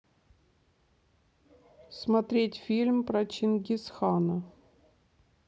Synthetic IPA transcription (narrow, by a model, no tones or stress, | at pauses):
smɐt̪ɾʲetʲfʲilʲmpɾɐt͡ɕɪnɡʲɪsxanə